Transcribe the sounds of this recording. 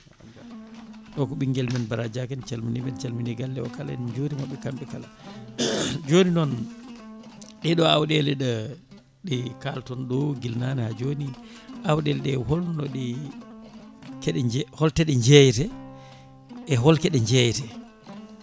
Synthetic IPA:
ɗɔkɔɓiŋɡɛlmɛnbaɾad͡ʒakɛnt͡ʃalminimɛnt͡ʃalminiɡalːɛɔkala̰nd͡ʒoːnimaɓːɛkamɓɛkala | d͡ʒoninɔn | ɗɛɗɔawɗɛlɛɗa | ɗɛkaltɔnɗɔɡilnanɛhad͡ʒoni | ʔawɗɛlɗɛhɔlnɔɗɛ | kɛɗɛd͡ʒhɔltɛɗɛɲd͡ʒɛjtɛ | ʔːɦɔlkɛɗɛɲd͡ʒɛjtɛ

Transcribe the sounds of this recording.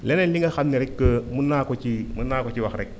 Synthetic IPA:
lɛnnliŋɐxatniɾɛkːəmunaːkɔt͡ʃimunaːkɔt͡ʃiwaxɾɛk̚

